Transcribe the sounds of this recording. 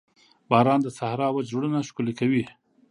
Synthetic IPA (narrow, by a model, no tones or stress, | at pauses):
bɑɾɑnd̪əsahɾɑwad͡ʒɽənaʃkulikawi